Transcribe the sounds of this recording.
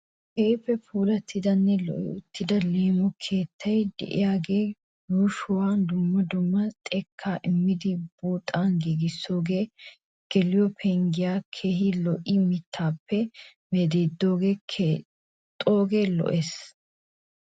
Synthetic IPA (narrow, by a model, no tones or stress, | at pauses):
hɛːpːɛpuːlɐt̪ʰːɪd̪ɐnːɛlɔ̰ʔɪ̰ʊt̪ːɪd̪ɐle̞ːmɔkʰeːt̪ʰːɐjd̪ɛ̰ʔɪ̰jaːɡeː | juːʃʊwaːnd̪ʊmːɐd̪ʊmːɐt̪ʼɛkʰːaːʔɪmːɪd̪ɪbuːt̪ʼːaːnɡiɡɪsːo̞ːɡe̞ː | ɡ̥ɛlɪjɔpʰɛŋɡɪjaːkʰeːhɪlɔʔɪmɪt̪ʰːaːpːɛ | mɛd̪eːd̪ːo̞ːɡeː | t̪ʼoːɡe̞ːlɔ̰ʔes